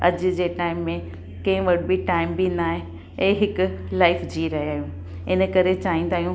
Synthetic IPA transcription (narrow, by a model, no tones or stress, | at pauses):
ɐ̰d͡ʑd͡ʑeːʈaːɪmːẽ | kɐ̃ɪ̃ʋɐɽbiʈaːɪmbʱinaːɦẽ | ẽːɦɪklaːɪfd͡ʑiːɾɐɦiaːɦjũː | ɪnə̆kɐɾet͡ɕaːɦĩn̆d̪aːɦijũ